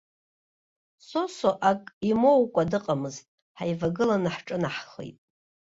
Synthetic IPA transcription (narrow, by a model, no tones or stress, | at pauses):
so̞soʔakʼimo̞wkʷʼadɨqʼamɨztʼ | ħajvaɡɨlanaħʈ͡ʂʼɨnaħχḛjtʼ